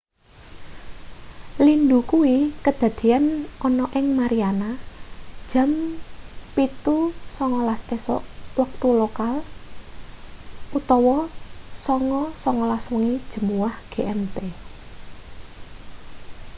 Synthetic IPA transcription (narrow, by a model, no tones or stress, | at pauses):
lind̪ukuwikəd̪̥ä̤d̪̥i̤anɔnɔʔɪŋmaɾianad̥ʒ̥ə̤m | pit̪usɔŋɔlast̪esɔ̰ʔwak̚t̪ulokal | ʔut̪ɔwɔsɔŋɔsɔŋɔlaswəŋid̥ʒ̥ə̤muwahɡ̥e̤ʔɛmt̪e